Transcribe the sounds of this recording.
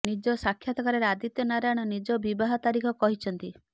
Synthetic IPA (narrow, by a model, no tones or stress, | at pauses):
nid͡ʒɔsakʰːjat̪ɔkaɾeɾead̪it̪jɔnaɾaɽ̃ɔnid͡ʒɔbibaɦɔt̪aɾikʰɔkɔɦit͡ʃʰɔnt̪i